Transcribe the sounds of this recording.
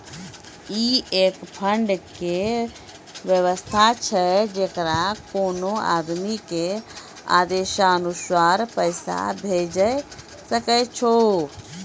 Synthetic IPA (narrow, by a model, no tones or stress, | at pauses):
iekpʰəɳɖke | ʋjəʋəst̪ʰat͡ʃʰɛd͡ʒekɾakonoa̰d̪mike | a̰d̪eʃaənuswaɾpəɪsa̰bʱed͡ʒəj | səkɛt͡ʃʰo